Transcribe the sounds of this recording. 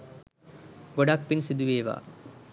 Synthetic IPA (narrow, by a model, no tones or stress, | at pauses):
ɡoɖak̚pinsid̪uʋeːʋa̰ː